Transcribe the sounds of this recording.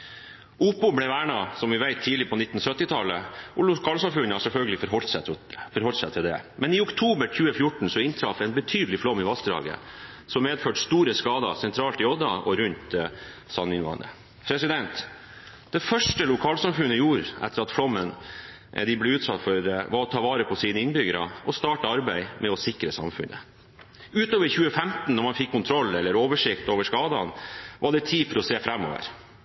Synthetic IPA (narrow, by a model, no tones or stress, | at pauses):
ʔupʊblɛʋæːɳɑsɔmʋɪʋæɪt̪ʰːiːlɪpʰɔnɪt̪n̩sœt̪ːɪt̪ʰɑlːəɔlʊkʰɑːlsɑmfʉnəɑsɛlfœlɡəlɪfɾɔlsfɔɾhɔlt̪sɛt̪ʰɪld̪ɛ̰mɛnɪʊkt̪ʰuːbəɾçʉːəfjʊʈɳ̩sɔɪnt̪ʰɾɑfɛɪnbət̪ʰyːd̪lɪflɔmːɪʋɑst̪ɾɑ̰ːɡə̰ | sɔmːeːd̪føːʈst̪uːɾəskɑːd̪ɑ̰sɛnt̪ʰɾɑːlt̪ɪɔd̪ɑʔɔɾʉnt̪ | sɑnːɪnʋɑ̰ːnə̰ | pʰɾɛsɪd̪ɛnt̪ | d̪̥ɛfœʂʈəlʊkʰɑːlsɑmfʉnəjuːɾɛ̰t̪ːəɾɑt̪flɔmːən | d̪ɪblɛʉːt̪sɑt̪ːfɔɾʋɑɾɔt̪ʰɑːʋɑːɾəpʰɔsiːnəɪnbʏɡəɾɑ̰ʔɔst̪ɑːʈəɑɾbæɪmʔɛɔsɪkɾəsɑ̰mfʉ̰nʔə̰ | ʉːt̪oːʋəɾçʉːəfɛmt̪n̩ːɔɾmɑnfɪkʰːʊnt̪ʰɾɔlːɛlːəɾoːʋəʂɪkt̪oːʋəʂkɑːd̪ɑnʋʔɑɖɛt̪ʰiːfɔɾɔseːfɾɛmːo̰ːʋə̰ɾ